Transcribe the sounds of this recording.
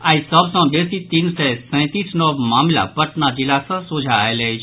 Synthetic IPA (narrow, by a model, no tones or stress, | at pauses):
aːisɔbsɔ̃ːbesit̪insɛsɛ̃ːt̪isnɔʋmaːmla̰pəʈnad͡ʒilaːsə̃sod͡ʒʱaeleid͡ʒ